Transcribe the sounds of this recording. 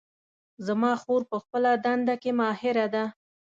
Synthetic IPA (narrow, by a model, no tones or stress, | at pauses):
zamɑxoɾpəxpəlad̪and̪akemɑhɪɾad̪a